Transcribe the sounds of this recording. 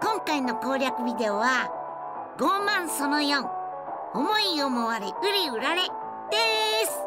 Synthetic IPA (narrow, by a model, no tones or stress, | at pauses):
kõ̞ŋkaino̞ko̞ːɾʲakɯ̟bʲid̪e̞oβa | ɡo̞ːmãɰ̃so̞no̞jõŋ | omo̞iomoβaɾeʔɯ̟ɾʲiɯɾaɾe̞ | d̪̥esɨ̥